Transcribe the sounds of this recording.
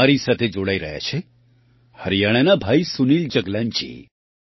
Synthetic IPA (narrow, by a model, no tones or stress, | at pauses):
aɾisat̪ʰed͡ʒoɽaiɾəɦja̰t͡ʃʰe | həɾijaɽ̃enabʱaːisunild͡ʒəɡlãɲt͡ʃḭ